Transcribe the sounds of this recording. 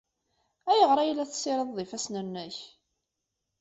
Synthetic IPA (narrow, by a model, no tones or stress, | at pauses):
æjəʁɾˤɑjlːæθsːɪɾəððˤifæsnænːæç